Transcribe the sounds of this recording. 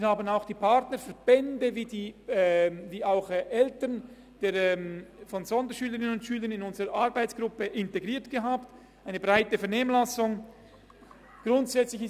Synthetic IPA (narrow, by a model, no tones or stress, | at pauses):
haːbənaʊxd̥iːpʰaʁtnəɾfɛɐb̥ɛndəviːdiː | viːaʊxʔɛltən | d̥eːɛmfɔnzɔndəʃyːləʁɪnənʊntʃyːlənɪnʊnzəʁəʔaʁbaɪt͡sɡ̥ʁʊpəʔɪnteɡʁiːɐtɡ̥əɦaːpt | ʔaɪnəbʁaɪtəfɛɐneːmlasʊŋ | ɡ̥ʁʊntz̥ɛt͡slɪçɪ